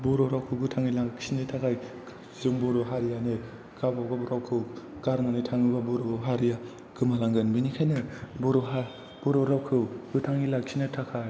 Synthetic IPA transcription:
bɔɾoɾawkʰɯwɡɯtʰaŋilaŋɡksinɯtʰakʰaj | zɯŋbɔɾoɦaɾijane | kabawɡabɔɾawkʰɯw | kaɾŋanɯtʰaŋɯbabɔɾoɦaɾija | ɡ̥ɯmalaŋɡɯnbinikʰajnɯbɔɾoɦa | b̥ɔɾoɾawkʰɯɡɯtʰaŋilaksʰinɯtʰakʰaj

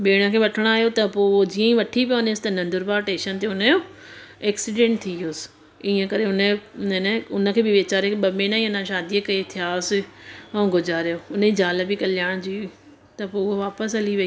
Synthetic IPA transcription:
ɓeːɽ̃əkʰeːʋɐʈʰəɽ̃aːɦjot̪ɐpoːod͡ʑiːə̃ĩʋɐʈʰipjonesɪ̥t̪ɐnɐ̃nd̪ʊɾbaːɾʈeːʃənt̪eʊnəjoː | ɛːksiɖẽːɳʈ̚t̪ʰĩijoːsɪ̥ | iːə̃kɐɾeʊnənʊnə̆kʰeːbɪʋeːt͡ɕaːɾekʰɓɐmẽːñãĩʊnãʃaːd̪ijəkɐet̪ʰijaːosɪɛ̃ːɡʱʊd͡ʑaːɾjoʊnəid͡ʑaːləbɪkɐlɪjaːɽ̃d͡ʑiː | t̪ɐpoːʊɦoʋaːpəs̬ɐliʋɐiː

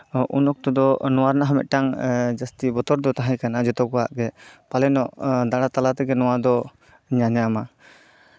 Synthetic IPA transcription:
ʔunɔk̚t̪ɔd̪ɔnɔwaɾnaɦamɛ̰t̪̚ʈaŋd͡ʒast̪ibɔt̪ɔɾd̪ɔt̪aɦãjkanad͡ʒɔt̪ɔkɔa̰ʔɡɛpalɛnɔʔd̪aɽat̪alat̪ɛɡɛnɔwad̪ɔ | ɲaɲama

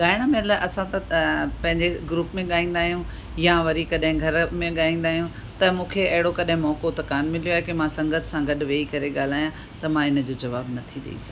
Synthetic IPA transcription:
ɠaːɪɽ̃mɪlʔɐsãt̪ɐpɐ̃ɦɪ̃ɲd͡ʑeɡɾuːpmẽɠaːĩːn̆d̪aːɦijũ | jãʋɐɾikɐɗɦɪ̃ɡʱɐɾmẽɠaːĩːn̆d̪aːɦijũ | t̪ɐmũːkʰeɐɦɪɽokɐɗɦɪ̃mɔːkot̪ɐkaːnmɪlijoaːɦekemãsɐ̃ŋɡət̪ʰsãɡɐɗʋeːikɐɾeɠaːl̤aːjã | t̪ɐmãɪnə̆d͡ʑoːd͡ʑɐʋaːbnɐt̪ʰiɗɐ̰ḭsã

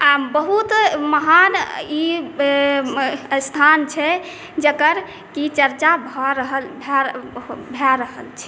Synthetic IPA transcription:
abəɦut̪məɦani | st̪ʰant͡ʃʰɛ | d͡ʒəkəɾ | kit͡ʃəɾt͡ʃabʱɔɾəɦəbʱɛ | bʱɛɾəɦəlt͡ʃʰɛ̥

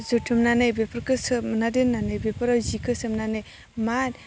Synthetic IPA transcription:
zutʰɯmnanɯjbepəɾkɯsɯmnadennːanɯjbepəɾazikɯsɯmnanɯj | man

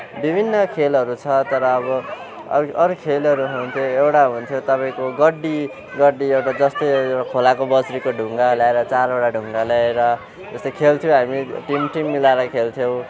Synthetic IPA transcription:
bibʱinːʌkʰelʌɾut͡sʰʌt̪ʌɾʌːβʌ | ʌ̰ʌɾukʰelʌɾuɦunt̪ʰjoewʈaɦunt̪ʰjot̪ʌpaĩkoɡʌɖːi | ɡʌɖːiewʈad͡zʌst̪ʌjewʈakʰolakobʌsɾikoɖʱuŋɡaljaeɾʌt͡saɾeɽaɖʱuŋɡalaeɾʌ | d͡zʌst̪ʌjkʰelt̪ʰjoɦamiʈimʈimːilaɾʌkʰelt̪ʰjow̃

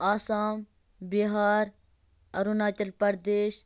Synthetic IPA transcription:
aːsaːm | biɦaːɾ | ɐɾunaːt͡ʃɐlpɐɾd̪eːʃ

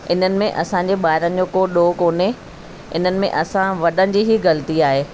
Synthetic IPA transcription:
ɪn̤ənɪ̆mẽʔɐsãɲd͡ʑeɓaːɪɾənɪ̆d͡ʑoːkoːɗoːkoːne | ɪ̰n̤ənɪ̆mḛ̃ʔɐsãʋɐɗənɪ̆d͡ʑiːɦiɣɐlət̪iaːɦeː

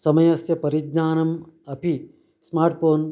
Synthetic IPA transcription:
sɐmɐjɐsjɐpɐɾiɡnaːnɐmɐpi | smaːɾʈ̚poːn

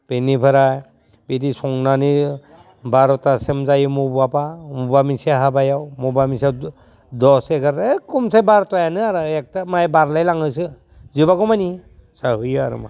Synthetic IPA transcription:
b̥enipʰaɾaj | bidisɔŋnani | baɾɔtasemzajɯmubwapamubamisiaɦabajawmubamisijaw | dɔseɡaɾekumsajbaɾtɔjanɯaɾɯek̚tamajbaɾlajlaŋɯsɯ | zibaɡɔmani | saɦɯjaɾɯ̰ma̰

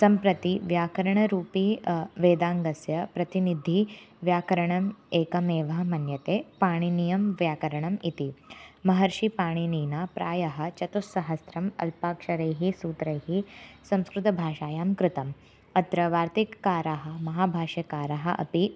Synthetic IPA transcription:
sɐmpɾɐt̪iʋjaːkɐɾɐɳ̃ɐɾuːpiːʋeːd̪aːŋɡɐsjɐpɾɐt̪inid̪ʱiʋjaːkɐɾɐɳɐmeːkɐmeːʋɐɦmɐnjɐt̪eːpaːɽ̃inijɐmʋjaːkɐɾɐɳɐmit̪imɐɦɐɾʃipaːɽ̃iniːnaːpɾa̰ːjɐɦɐ̆t͡ʃɐt̪usːɐɦɐsɾɐmɐ̰lpaːkʂɐɾɐjɦisuːt̪ɾɐjɦisɐ̃m̃skɾut̪ɐbʱaːʃaːjaːmkɾɪt̪ɐm | ɐt̪ɾɐʋaːɾt̪ikːaːɾaɦɐ̆mɐɦaːbʱaːʃjɐkaːɾaɦɐʔɐ̰pi

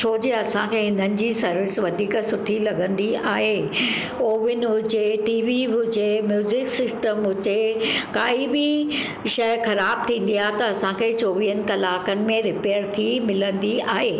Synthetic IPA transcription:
ʃʰoːd͡ʑeɐsãkʰeɦɪnənɪ̆d͡ʑiːsɐɾʋɪsʋɐd̪ʱiːksʊʈʰilɐɡʱə̃nd̪iaːɦeː | oːʋɪnɦʊt͡ɕeʈiːʋiɦʊt͡ɕemjuːzɪksɪsʈəmɦʊt͡ɕekaːibɪ | ʃɐjxɐɾaːb̚t̪ʰĩːn̆d̪ijaːɦt̪ɐɐsãkʰeːt͡ɕoːʋiːɦənɪ̆kɐlaːkənɪ̆mẽɾɪpeːɾt̪ʰimɪlə̃nd̪iaːɦeː

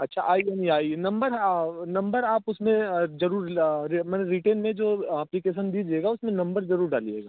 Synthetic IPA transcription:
ɐtːʃʰa̰ʔaːianĩaːinɐ̃mbəɾnɐ̃mbəɾaːpʊsmẽzɐɾuːɾɾimɛːneɾiʈeːnmẽd͡ʒoːɐplikeːʃ̬ənd̪iːd͡ʒeːɡaʊsmẽnɐ̃mbəɾzɐɾuːɾɖaːlḭḛːɡa̰ː

